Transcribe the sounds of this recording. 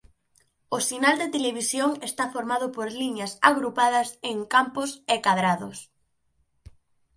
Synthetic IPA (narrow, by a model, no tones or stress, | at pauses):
ʊsinald̪et̪eleβ̞isjoŋest̪afoɾmað̞ʊpoɾliɲɐsa̰ɣɾupað̞ɐseŋkampʊsekaðɾaðʊs